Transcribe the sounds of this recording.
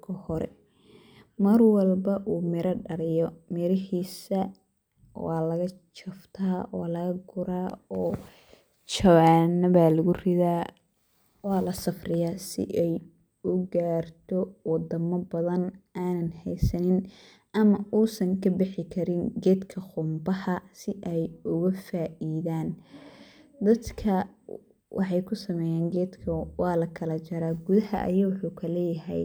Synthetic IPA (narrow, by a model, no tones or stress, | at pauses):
kʰɐhɔɾɛ̰ | mɐrwɐlbɐʔuːmɪɾɐɖɐɾɪjɔmɪɾɪhiːsɐ | wɑːlɐɣɐ | t͡ʃɐft̪ʰaːɔlɐɣɐɡʊɾaːɔː | t͡ʃɐβaːnɐβaːlɐɣʊrɪðaː | wɑːlɐsɐfrɪjaːsɪ̰ʔɛj | ʊɡaːrt̪ʰɔwɑd̪ɐmɐbɐðɐnʔaːnɐnhɛjsɐnɪn | ʔɐmɐʔuːsɐŋkʰɐbɪħɪkʰɐɾɪnɡɛːd̪kʰɐχʊmbɐhɐsɪʔɛjʊɣɐfaːʔiːðaːn | d̪ɐd̪kʰɐ | wʔɑ̰ħɑjkʰʊsɐmɛːjaːŋɡɛːd̪kʰɐwɑːlɐkʰɐlɐt͡ʃɐɾaːɡʊðɐhɐ̰ʔɐ̰jɐwʊħuːkʰɐlɛjɐɦɛ̰j